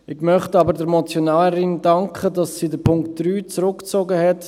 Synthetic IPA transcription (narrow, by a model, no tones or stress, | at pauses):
ɪɡmœχtɑːbəɾdəɾmɔt͡sjonaːəɾɪndɑŋkχədɑsːiːdəpʰʊŋktd̥ryːt͡sɾʊkt͡soːɡəhɛt